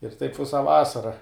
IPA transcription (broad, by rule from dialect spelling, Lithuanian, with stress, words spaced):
ɪr tɐɪp ˈʋʲɪsɐ ˈʋɑːsɐrɐ